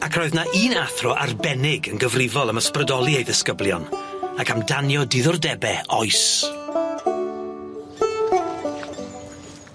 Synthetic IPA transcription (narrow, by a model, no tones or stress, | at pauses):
akʰr̥ɔɨðnaʔiːnaθrɔʔa̰rbɛnɪɡənɡəvrɪvɔlˠəməsprədɔlˠiejðɪskəblˠjɔnakʰamdanjɔdɪðʊrdɛbɛɔjs